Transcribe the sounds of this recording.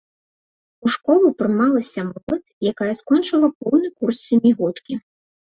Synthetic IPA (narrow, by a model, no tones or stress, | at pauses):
uʂkɔlˠupɾɨmalˠɐsʲɐmɔlˠɐt̪jakajɐskɔnt͡ʂɨlˠɐp̚ɔwnɨkursːʲamʲiɣɔt̪kʲi